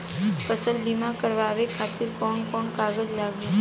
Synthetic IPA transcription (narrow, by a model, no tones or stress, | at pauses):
pəsəlbimãkəɾʋaːʋekʰaːt̪ɪɾkɔːnkɔːnkaːɡəd͡ʒlaːɡi